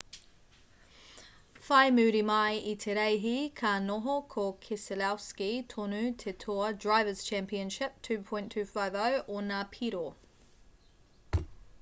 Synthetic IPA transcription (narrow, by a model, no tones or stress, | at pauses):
faɪmʉːɾimaɪitʰɛɾɛɪɦikʰaːnɔɦokʰɔkʰesəlawskitʰɔnʉtʰɛtʰɔːdɹaɪvəz̥t͡ʃʰæ̃mpiə̃nʃɪp̚tʰʉːpʰɔ̃ɪ̃ntʰʉːfaːvəʊʔɔnapʰiɾo